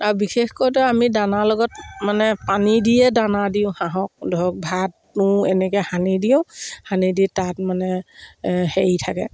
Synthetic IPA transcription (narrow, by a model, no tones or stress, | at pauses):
aɹubixexkɔjtʊamidanalɔɡɔt̚manɛpanidijɛdanadijʊ̃hãɦɔk̚dʱɔk̚bʱat | nʊ̃ɛnɛkɛhanidijʊ̃hanidiɛtat̚manɛ | heitʰakɛ̰